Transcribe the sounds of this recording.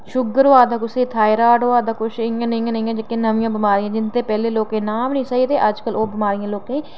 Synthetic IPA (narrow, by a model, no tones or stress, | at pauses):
ʃʊɡəɾoaːd̪aːkʊsiːt̪ʰaːiɾaːʈoːaːd̪aːkʊt͡ʃɪãːnĩãːnəĩãːd͡ʒəkeːnəʋijãːbɪmaːɾijãːd͡ʒɪnt̪eːpɛːleːloːkẽːnaːmnĩːsaːiːt̪eːʔəd͡ʒkəloːbɪmaːɾijãːloːkẽː